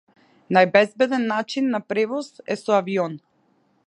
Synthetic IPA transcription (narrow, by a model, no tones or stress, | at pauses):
najbɛzbɛd̪ɛnːat͡ʃinːapɾɛvɔsɛsɔaviɔn